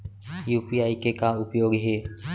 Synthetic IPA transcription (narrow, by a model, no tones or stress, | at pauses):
juːpiːaːikekãːʊpjoːɡɦeː